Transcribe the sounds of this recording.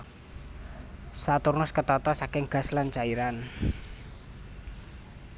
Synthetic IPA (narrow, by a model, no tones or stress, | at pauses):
sat̪urnʊskət̪ɔt̪ɔsakɪŋɡ̥a̤slant͡ʃaiɾan